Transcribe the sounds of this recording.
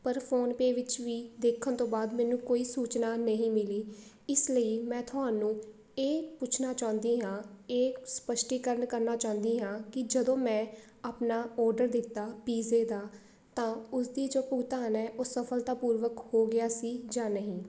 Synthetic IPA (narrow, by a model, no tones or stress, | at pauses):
pəɾpʰoːnpeːʋɪt͡ʃʋiːd̪eːkʰːənt̪õːbaːd̪mɛːnũːkoːiːsuːt͡ʃnaːnəɦĩːmɪliː | ɪsləiːmɛ̃ːt̪ʰʊɦaːnũː | eːpʊt͡ʃʰnaːt͡ʃãːnd̪iːɦãːeːspəʃʈiːkəɾəɳkəɾnaːt͡ʃãːnd̪iːɦãːkɪd͡ʒəd̪õːmɛ̃ː | aːpnaːɔːɾɖəɾd̪ɪt̪ːaːpiːzeːd̪aː | t̪ãːʊsd̪iːd͡ʒoːpuːt̪aːnɛːʔoːsəpʰəlt̪aːpuːɾʋəkhoːɡɪaːsiːd͡ʒãːnəɦĩː